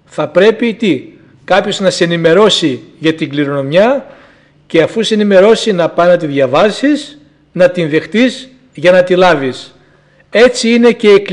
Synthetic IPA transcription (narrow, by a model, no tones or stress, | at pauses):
θɐpɾe̞pit̪i | kɐpço̞znɐseenime̞ɾo̞siʝɐt̪iŋɡliɾo̞no̞mjɐ | ce̞ɐfuseenime̞ɾo̞sinɐpɐnɐt̪̬iðʝɐvɐsis | nɐt̪inðe̞xt̪iz | ʝɐnɐt̪ilɐvis | e̞t͡siine̞ce̞ːk